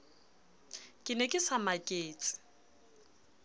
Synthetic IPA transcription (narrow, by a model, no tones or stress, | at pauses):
kʼɪnɛkʼɪsamakʼeːt͡sʼɪ̥